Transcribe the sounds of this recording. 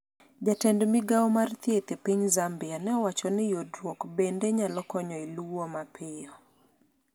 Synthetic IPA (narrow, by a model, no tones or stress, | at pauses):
d͡ʒatɛndmiɡaɔmart̪jet̪epiɲzambɪjanɛɔwat͡ʃɔnɛjodɾwokbendeɲalɔkɔɲɔiluwomapʰɪjɔ